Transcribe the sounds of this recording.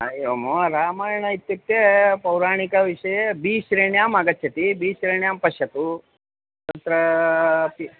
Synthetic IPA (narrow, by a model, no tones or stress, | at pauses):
ɐjoːmoːɾaːmaːjɐɳɐit̪ːut̪ːepɐwɾaːɳikɐʋiʂɐjebiːʃɾeːɳjaːmɐɡɐtːʃʰɐt̪ibiːʃɾeːɳjaːmpɐʃjɐt̪u | t̪ɐt̪ɾɐpi